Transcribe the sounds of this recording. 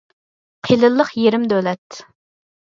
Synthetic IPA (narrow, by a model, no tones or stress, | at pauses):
qʰilˠɨlˠːəqjeɾɪmd̪ølɛt̪